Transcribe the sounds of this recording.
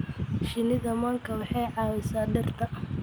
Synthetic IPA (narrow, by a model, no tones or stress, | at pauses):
ʃɪnɪðɐmaːŋkʰɐwɑħɑjʕɑːwɛsaːɖɐrt̪ʰɐ